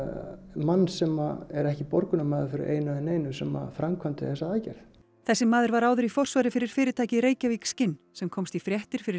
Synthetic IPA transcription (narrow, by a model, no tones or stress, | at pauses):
manːsɛmaɛɾɛhcɪpɔɾkʏnamaːðʏɾfɪɾɪ̰ɾʔḛːjnaðɛneːjnʏsɛma̰fɾamkʰvant̪ɪ̰θɛsːaaːcɛ̰ɾ̥θ | θɛsːɪmːaːðʏɾvaɾaːwðʏɾifɔr̥svaɾɪfɪɾɪɾ̥fɪːɾɪt̪ʰaːjcɪɾeːjcavikscɪnː | sɛmkʰɔmst̪ifɾjɛht̪ɪɾ̥fɪɾɪ